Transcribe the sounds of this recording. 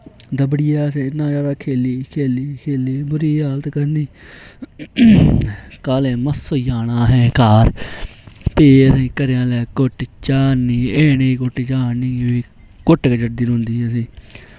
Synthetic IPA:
d̪əbɽɪjaːsĩːnãːd͡ʒaːd̪aːkʰeːliːkʰeːliːkʰeːliːbʊɾiːaːlət̪kəɾniː | kaːlẽːməsːoːjaːnaːɦɛ̃ːkaːɾ | peːəsĩːkəɾjãːlɛːkʊʈt͡ʃaːniːeːneːkʊʈːt͡ʃaːnĩːiː | kʊʈɡəd͡ʒəʈ̚d̪iːɦʊ̃nd̪ĩːsĩː

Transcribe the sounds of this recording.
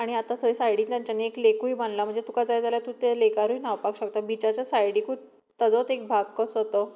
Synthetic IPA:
aɽ̃iat̪at̪ʰəisajɽiːnt̪jãɲt͡ɕaneklekujbanlam̤əɳd͡zet̪ukad͡zajd͡zaljat̪ut̪elekaɾuinaʋpakɕək̚t̪abit͡ɕat͡ɕjasajɽiːku | t̪ːad͡zɔt̪ek̚bʱaɡkəsɦot̪o

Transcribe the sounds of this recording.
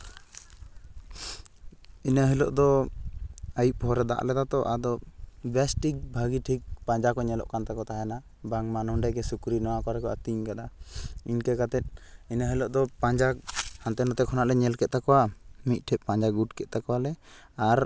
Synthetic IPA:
inəɦilɔʔd̪ɔ | ajiʔ̚pɔɾɛd̪a̰ʔlɛd̪at̪ɔʔad̪ɔbɛsʈik̚bʱaɡiʈʰik̚paɲd͡ʒakɔɲɛlɔ̰ʔkant̪akɔt̪aɦɛna | baŋmanɔɳɖajkɛsukɾinɔwakɔɾɛkɔʔa̰t̪iɲkad̪aiɲkɛkat̪ɛt̪̚ˀinəɦilɔʔd̪ɔpaɲd͡ʒahant̪ɛnɔt̪ɛkʰɔnaʔlɛɲɛlkɛt̪̚t̪akɔwamit̪̚ˀʈʰɛʔ̚paɲd͡ʒaɡuʈkɛt̪̚t̪akɔwalɛ | aɾ

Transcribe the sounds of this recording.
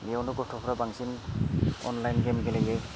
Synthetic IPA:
liɛɔnʊkɔtʰɔpʰɹabaŋsin | ɔ̰nlajnɡɛmɡɛlaɡɛ

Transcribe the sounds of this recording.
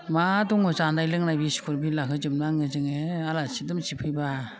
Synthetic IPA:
maduŋɯzandajlɯŋnajbisi̥kʰuɾbilakʰɯzɯmnaŋɯzɯŋealasidɯmsipʰɯjba

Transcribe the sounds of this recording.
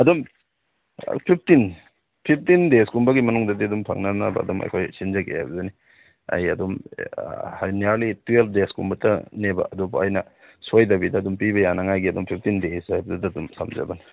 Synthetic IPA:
ɐdum̰ | pʰip̚ʰtin | pʰip̚ʰtindeskumbɐɡimɐnuŋdɐdiɐdumpʰɐ̰ŋnɐnɐbɐ̰ɐ̰dumɐ̰jkʰojsinzɐkʰḛha̰jbɐzɐni | ɐ̰jɐdum | hajniaɾlitueldeskumbɐtʰɐnebɐ̰ʔɐdubuɐjnɐ̰ | sojdɐbidɐːdumpibɐjanɐŋajɡiɐdumpʰip̚ʰtindesajbɐdɐdɐdumsɐ̰mzɐ̰bɐn

